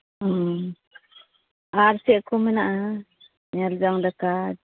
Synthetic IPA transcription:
aɾsɛʔkɔmɛnaʔa | ɲald͡ʒaŋd̪aka

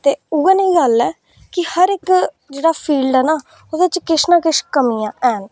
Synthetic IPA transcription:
t̪eːuːəniːɡəlɛː | kɪhəɾɪk | d͡ʒeːɽaːpʰiːlɖɛːnaː | od̪eːt͡ʃkɪʃnãːkɪʃkəmijãːʔɛːn

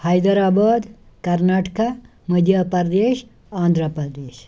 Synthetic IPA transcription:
hɐjd̪ɐɾaːbaːd̪ | kɐɾnaːʈka | məd̪ʱjɐpɐɾd̪eːʃ | aːnd̪ʱɾəpɾɐd̪eːʃ

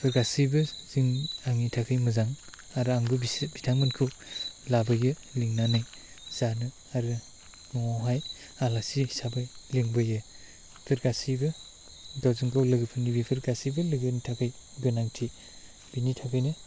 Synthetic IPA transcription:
pʰɯɾɡasibɯz̥iŋaŋitʰakʰɯjmɯzaŋ | aɾɯaŋɡɯbbitʰaŋmɯnkʰu | labɯjɯ | liŋnanaj | z̥anɯ | aɾɯ | mɔwawɦaj | alasisabɯjliŋbɯje | pʰɯɾɡasibɯ | ɡawzɯŋkʰawlɯɡɯpʰɯnibipʰɯɾɡasibɯlɯɡɯnitʰakʰɯj | ɡɯnaŋtʰi | binitʰakʰɯjnɯ

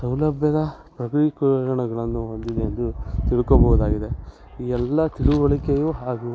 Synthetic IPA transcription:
sɐwlɐbʱjɐd̪ɐpɾɐkɾikuɾɐɳɐɡɐɭɐnːuɦond̪id̪eɐnd̪ut̪iɭukobɐɦud̪aːɡid̪e̞ | iːɛlːɐt̪iɭuʋɐɭikejuɦaːɡu

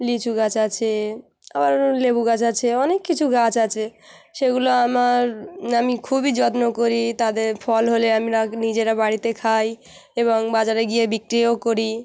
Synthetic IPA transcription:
lit͡ʃʰuɡat͡ʃat͡ɕʰe | a̰baɾlebuɡat͡ʃat͡ɕʰeɔnekːit͡ɕʰuɡat͡ʃat͡ɕʰeʃeɡuloamaɾamikʰubid͡ʒɔt̪nokoɾit̪ad̪eɾpʰɔlɦoleamɾanid͡ʑeɾabaɽit̪ekʰaj | eβoŋbad͡ʑaɾeɡijebikɾiokoɾi

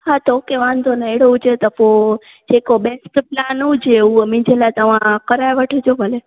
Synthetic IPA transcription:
ɦat̪okeʋãnd̪ʱonaeɽod͡ʒet̪əpo | d͡ʒekobeskplanũd͡ʒeũmĩd͡ʒʱelat̪əʋãkəɾajʋəʈʰed͡ʒobəle

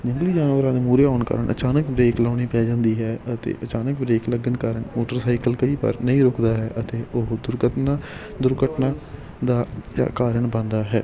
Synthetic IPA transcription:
d͡ʒɪ̃ŋɡliːd͡ʒaːnʋəːɾãːd̪eːmuːɾeːaːɳkə̰ːɾəɳʔə̰t͡ʃaːnəkbɾeːklaːɽ̃iːpɛːd͡ʒãːnd̪iːɦɛːət̪ḛːʔət͡ʃaːnəkbɾeːkləɡənkaːɾəɳmoːʈəɾsaːɪkəlkəiːpə̰ɾnəĩːɾoːkʰd̪aːɦɛːʔət̪eːʊɦd̪ʊɾɡət̪naː | d̪ʊɾɡəʈnaː | d̪aːd͡ʒa̰ːkaːɾəɳbãːnd̪aːɦɛː

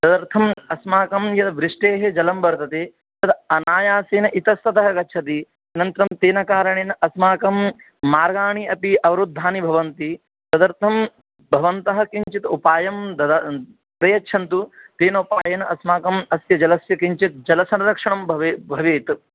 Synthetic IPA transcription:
sɐd̪ɐɾt̪ʰɐmɐsmaːkɐmjɐt̪ʋɾɪʂʈeːɦed͡ʒɐlɐmbɐɾt̪ɐt̪eː | t̪ɐt̪ɐnaːjaːseːnɐʔit̪ɐst̪ɐt̪ɐɦɐɡɐt͡ʃʰɐt̪̬i | ɐnɐnt̪ɾɐmt̪eːnɐkaːɾɐɳeːnɐʔɐsmaːkɐmː | aːɾɡaːɳiɐpiʔɐʋɐɾud̪ʱːaːnibʱɐʋɐnt̪i | sɐd̪ɐɾt̪ʰɐm | bʱɐʋɐnt̪ɐɦɐ̆kiɲt͡ʃit̪upaːjɐmd̪ɐd̪ɐ | pɾɐjɐtːʃʰɐnt̪ut̪eːnɐupaːjɐnɐɐsmaːkɐmɐsjɐd͡ʒɐlɐsjɐkiɲt͡ʃit̪̚d͡ʒɐlɐsɐnɐɾɐkʂɐɳɐmbʱbʱɐʋeːt̪

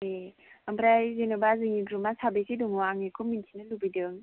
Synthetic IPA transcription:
e | ambʰɾajzenɯbaziŋiɡɾumasʰabesʰidumuwaŋekʰumintʰinalubidɯŋ

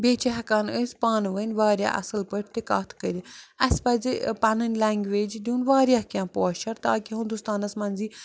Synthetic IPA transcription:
beːt͡ʃiɦɐkaːnəsʲpaːnʋənʲʋaːɾʲja̰ːʔɐ̰sɨlpəɾʲʰt̪ikaːt̪ʰkəɾʲiɐspɐd͡zipɐnɨnʲlaːŋɡʋeːd͡ʒd̪ʲuːnʋaːɾʲjaːɦkʲãːpoːʃʰɐɾt̪aːkiɦund̪ust̪aːnɐsmɐnziː

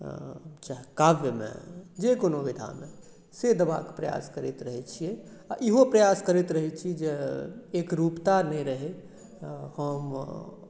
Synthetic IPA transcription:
t͡ʃaɦkaʋjəmḛ̃d͡ʒekonoʋid̪ʱa̰mḛ̃ | sed̪əba̰kpɾəja̰skəɾit̪ɾəɦɛt͡ʃʰiɛaʔiɦopɾəjaskəɾit̪ɾəɦɛt͡ʃʰid͡ʒeekɾupt̪aɾnɛiɾəɦe | həm

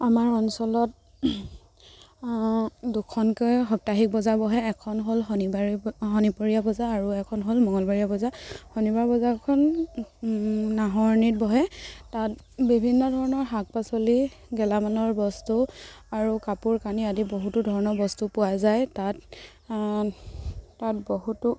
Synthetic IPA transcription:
amaɹɔnsɔlɔt̚ | dukʰɔnkɔjɦɔk̚taɦik̚bɔzabɔɦɛɛkʰɔnɦolɦɔiaɦɔnipɔɹijabɔzaːɹuɛkʰɔnɦolmɔŋɔlbaɹijabɔzahɔnibaɹbɔzakʰɔn | naɦɔɹnit̚bɔɦɛtat̚ | bibʱinːɔdʱɔɹɔnɔɹɦak̚pasoli | ɡɛlamanɔɹbɔstu | aɹukapuɹkaniadiboɦutudʱɔɹɔnɔbɔstupʊajzajtat | tat̚boɦutʊ

